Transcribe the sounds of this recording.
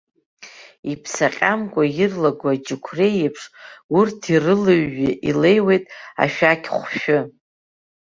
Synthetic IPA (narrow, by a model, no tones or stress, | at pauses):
ipʰsaqʲʼamkʷʼajɪrlaɡʷad͡ʒʼɪkʷʰrejepʰʂurtʰirɨlɨɥːɪʔile̞jwe̞jtʼa̰ʃᶣakʲʰʼχʷʃᶣʊ